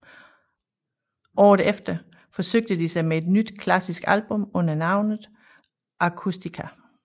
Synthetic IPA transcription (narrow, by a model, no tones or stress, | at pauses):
ʔɒ̰ːðˠefd̥ɐ | fɒ̽søɡ̥̚d̥əd̥isɑ̈ɪmee̝d̥nyd̥kʰlæsisɡ̥ælb̥ɔ̽mɔ̽n̰ɐnɑ̈ʊnð̩ˠ | ʔɑ̈kʰusd̥ikʰæ